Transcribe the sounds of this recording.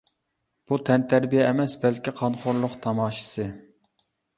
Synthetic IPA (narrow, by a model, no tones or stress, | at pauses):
b̥ut̪ʰɛnt̪ʰæɾbijɛːmɛsbɛlkʲʰiqʰɑnχoɾlˠʊqt̪ʰɑmɑːʃɨ̥sɨ